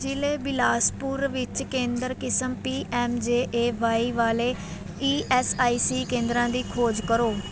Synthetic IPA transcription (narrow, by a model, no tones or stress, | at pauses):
d͡ʒɪleːbɪlaːspʊɾʋɪt͡ʃkẽːnd̪əɾkɪsəmpiːʔɛːmd͡ʒeːʔeːʋaːiːʋaːleː | iːʔɛːsaːiːsiːkẽːnd̪ɾãːd̪iːkʰoːd͡ʒkəɾoː